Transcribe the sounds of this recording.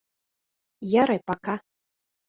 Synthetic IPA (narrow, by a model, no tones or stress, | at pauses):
jaɾɛpaka